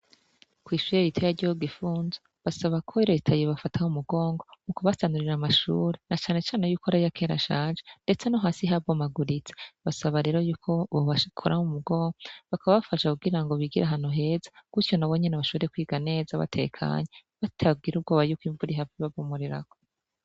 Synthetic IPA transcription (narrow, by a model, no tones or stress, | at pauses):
kwiːʃujeβitʰejaɾɟoɡifuːnze | βasaβakʰoiɾoitʰajiβafatʰahumuɡo̞ːŋɡo̞mukoβasanuɾiɾamaʃṵːɾenat͡ʃaːne̞t͡ʃaːnejuːkoaɾajakʰeːɾa̰ʃaːnʒende̞t͡senoɦaːnsiɦabɡomaɡuɾit͡se̥βasaβaɾe̞ːɾojuːkʰoβoβakʰoɾʔahumuɡo̞ːŋɡɡoβakaβaβafaʃakuɡiɾaŋɡo̞βiɡiɾaɦan̥uɦe̞ːzḁɡ̥utjo̞naβo̞ɲe̞naβaʃo̞βeɾekwiːɡane̞ːzaβa̰tʰe̞̰kʰa̰ːɲeβatʰab̚ɡiɾub̚ɡo̞βajukwiːɱvuɾiɦaviβaβumuɾiɾa̰ko̥